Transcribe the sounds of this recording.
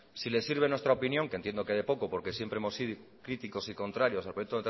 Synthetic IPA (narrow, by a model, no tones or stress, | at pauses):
sile̞siɾβ̞e̞nwet̪ɾaopinjõ̞ŋke̞nt̪jend̪okeðe̞po̞kopo̞ɾke̞sjempɾeemo̞siðokɾit̪iko̞siko̞nt̪ɾaɾjo̞salpɾojekt̪o̞et̪